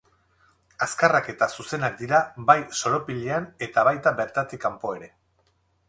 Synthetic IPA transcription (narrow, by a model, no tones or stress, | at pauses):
askarake̞t̪asuse̞nak̚d̪iɾabajso̞ɾo̞piʎeane̞t̪aβajt̪abe̞ɾt̪at̪ikampo̞e̞ɾe̞